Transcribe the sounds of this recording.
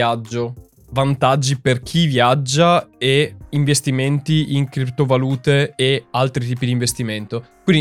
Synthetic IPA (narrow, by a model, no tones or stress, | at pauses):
ad͡ʒːo | vant̪ad͡ʒːiperk̟ʰivjad͡ʒːaeiɱvest̪iment̪iʔiŋkɾipt̪ovaluːt̪eːalt̪ɾit̪iːpid̪iɱvest̪iment̪okwind̪i